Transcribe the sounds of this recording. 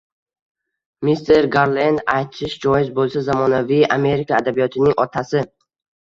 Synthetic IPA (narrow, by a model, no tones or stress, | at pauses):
mist̪ʰe̞ɾɡaɾlend̪ajt̪ʰɪʃd͡ʒɒjɪzbolˠsazamɒnavijame̞ɾɪkaad̪abijɒt̪ʰɪnɪŋʔɒt̪ʰasɪ